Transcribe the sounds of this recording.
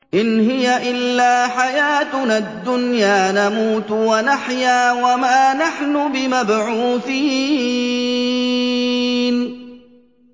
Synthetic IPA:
ʔɪnɦɪjaʔɪlːaːħajaːt̪nad̪ːʊnjaːnamuːt̪wanaħjaːwamaːnaħnʊbɪmabʕuuːθiː | n

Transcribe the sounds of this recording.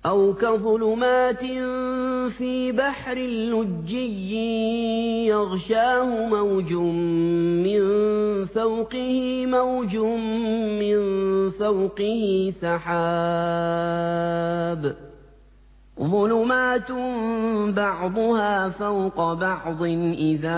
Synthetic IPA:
ʔawkaðˤʊlʊmaːt̪ɪ | fiːbaħɾɪlːʊd͡ʒːɪjːɪ | jɑɣʃaːhʊmawd͡ʒʊ | mɪnfawqɪhɪmawd͡ʒʊmːɪnfawqɪhɪsɑħaː | b | ðˤʊlʊmaːt̪ | bɑʕd̪ˤʊhaːfawqɑbɑʕd̪ˤɪnʔɪðaː

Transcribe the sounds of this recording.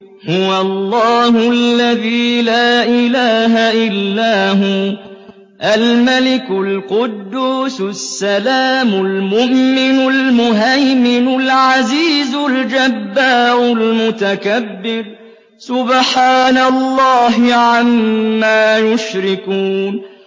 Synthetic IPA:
hʊwaɑlˤːɑːhʊʔlːaðiːlaːʔɪlaːɦaʔɪlːaːɦʊ | ʔalmalɪkʊlqʊd̪ːuːssːalaːmʊlmʊʔmɪnʊlmʊɦajmɪnʊlʕaziːzʊld͡ʒabːaːɾʊlmʊt̪akabːɪɾ | sʊbħaːnalˤːɑːɦɪʕamːaːjʊʃɾɪkuːn

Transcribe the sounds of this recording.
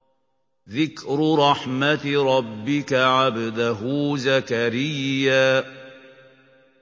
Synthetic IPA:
ðɪkɾɾˤɑħmat̪ɾˤɑbːɪkaʕabad̪aɦʊːzakaɾɪjːaː

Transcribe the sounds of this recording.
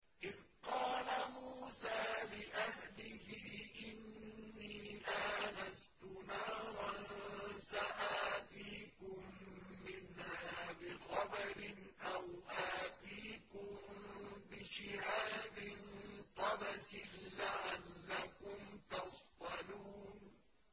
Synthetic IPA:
ʔɪðqɑːlamuːsaːlɪʔaɦlɪhɪʔɪnːiːʔaːnast̪ʊnaːwansaʔaːt̪iːkʊmːɪnhaːbɪxɑbɑɾɪnʔawʔaːt̪iːkʊmbɪʃɪhaːbɪnt̪ˤɑbasɪnlaʕalːakʊmt̪ɑfd̪ˤɑluːn

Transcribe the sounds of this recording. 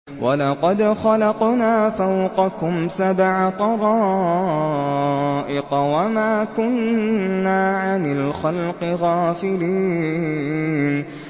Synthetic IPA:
wʔalɑqɑd̪xɑlɑqnaːfawqɑkʊmsabʕat̪ˤɑɾˤɑː | ʔɪqɑwamaːkʊnː | aːʕanɪlxalqɨɣaːfɪliː | n

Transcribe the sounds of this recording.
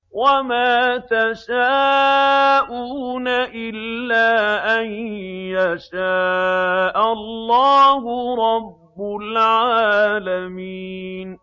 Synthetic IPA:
wamaːt̪aʃaː | ʔuːnaʔɪlːaːʔanjaʃaːʔallːaːhʊɾˤɑbːʊlʕaːlamiːn

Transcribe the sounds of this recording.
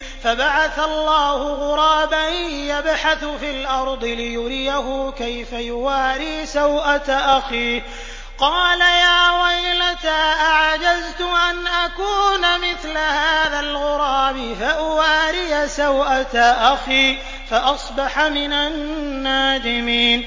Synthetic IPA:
fabaʕaθalːɑːhʊɣʊɾˤɑːbanjabħaθʊfiːlʔɑɾˤd̪ˤɨlɪjʊɾɪjaɦʊkajfajʊwaːɾiːsawʔat̪aʔaxiː | qɑːlajaːwajlat̪aʔaʕd͡ʒazt̪ʊʔanʔakuːnamɪθlahaaːðalɣʊɾˤɑːbɪfaʔʊwaːɾɪjasawʔat̪aʔaxiː | faʔɑsˤbɑħamɪnanːaːd̪ɪmiːn

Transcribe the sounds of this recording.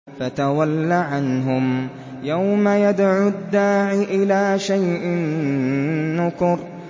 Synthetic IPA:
fat̪awalːaʕanɦʊm | jawmajad̪ʕʊd̪ːaːʕiʔɪlaːʃajʔɪnː | ʊkʊɾ

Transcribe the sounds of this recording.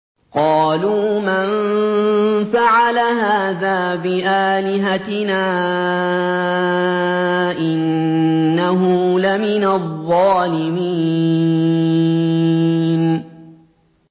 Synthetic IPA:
qɑːluman | faʕalaɦaːðaːbɪʔaːlɪɦat̪ɪnaː | ʔɪnː | aɦʊlamɪnaðˤːɑːlɪmiː | n

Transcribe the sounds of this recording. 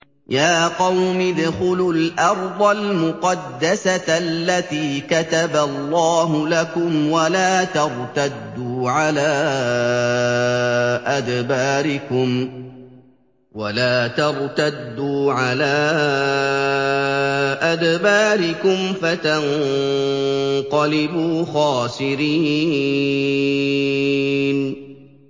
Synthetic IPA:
jaːqɑwmɪd̪xʊlʊlʔɑɾˤd̪ˤɑlmʊqɑd̪ːasalːat̪iːkat̪abalːɑːɦʊlakʊmwalaːt̪ɑɾˤt̪ad̪ːuːʕalaː | ʔad̪baːɾɪkʊm | walaːt̪ɑɾˤt̪ad̪ːuːʕalaː | ʔad̪baːɾɪkʊmfat̪an | qɑlɪbuːxaːsɪɾiː | n

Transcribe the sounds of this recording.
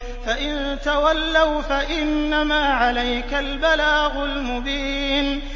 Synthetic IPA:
faʔɪnt̪awalːawfaʔɪnːamaːʕalajkalbalaːɣʊlmʊbiːn

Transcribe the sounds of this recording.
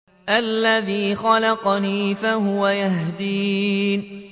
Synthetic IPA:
ʔalːaðiːxalɑqɑniːfahʊwajahd̪iːn

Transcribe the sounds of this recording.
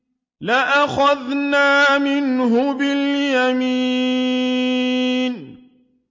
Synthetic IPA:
laʔaxaðnaːmɪnɦʊbɪljamiː | n

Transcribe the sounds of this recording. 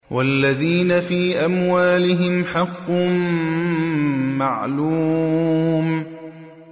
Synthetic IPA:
wʔalːaðiːnafiːʔamwaːlɪɦɪmħɑqːʊm | aʕluː | m

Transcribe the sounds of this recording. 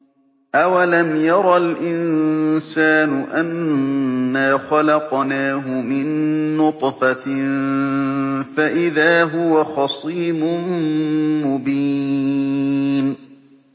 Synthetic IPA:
ʔawalamjɑɾˤɑlʔɪnsaːnʊʔanː | aːxɑlɑqnaːɦʊmɪnːʊt̪ˤfa | faʔɪðaːɦʊwaxɑsˤiːbʊ | mʊbiː | n

